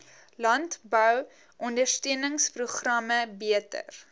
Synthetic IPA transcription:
lɐntbœw | ʔɔndərstøənəŋspruχrɐməbiətə̰r

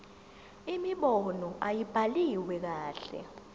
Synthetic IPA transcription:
imiɓɔnɔʔajib̥ʱaliwɛk̬aːɬɛ̰

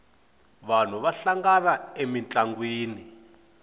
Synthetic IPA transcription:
βan̤uβaɬaŋɡanaemint͡ɬʼaŋɡwiːni

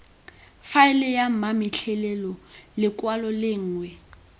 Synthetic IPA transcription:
faɪlɛjam̩mamɪɬʰɛlɛlɔlɪkʼwalɔlɪŋ̩ːŋwɛ

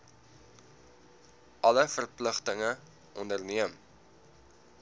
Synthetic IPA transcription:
ʔɐləfərpləχtəŋə | ʔɔndərniəm

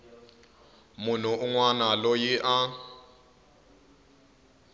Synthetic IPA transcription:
mʊn̤uʔuŋwanalɔjiʔa

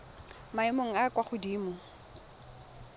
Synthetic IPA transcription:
maɪmoŋ̩akwaχʊdiːmʊ

